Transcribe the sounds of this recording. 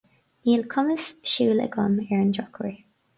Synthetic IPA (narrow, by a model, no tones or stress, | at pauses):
niːlkʰʊməsʃuːlə̰ɡɔmɛɹənd͡ʒɔkʰə̰ɹi